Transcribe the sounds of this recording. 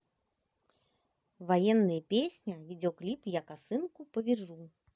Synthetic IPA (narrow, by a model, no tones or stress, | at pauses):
vajɛnːɨjɐpʲesʲnʲɐvʲid͡zʲɔklʲipjakasɨnkupɐvʲiʐu